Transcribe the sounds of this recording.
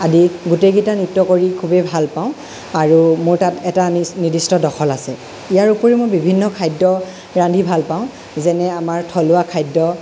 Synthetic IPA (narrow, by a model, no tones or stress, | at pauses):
adiɡutejɡitanitːɔkoɹikʰubebʱalpaʊ̃ | aɹumʊɹtatɛtanidistɔdɔxʰɔlasɛ | ijaɹupoɹimojbibʱinːɔkʰajdːɔ | ɹandʱibʱalpaʊ̃ | zɛnɛamaɹtʰɔlʊakʰajdɔ